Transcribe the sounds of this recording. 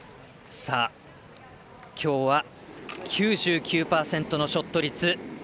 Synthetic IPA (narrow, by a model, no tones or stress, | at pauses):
sa | kʲʰo̞ːβa | kʲʰɨːʑɨːkʲɨːpaːsẽ̞nt̪o̞no̞ɕo̞t̪ːo̞ɾʲit͡sɨ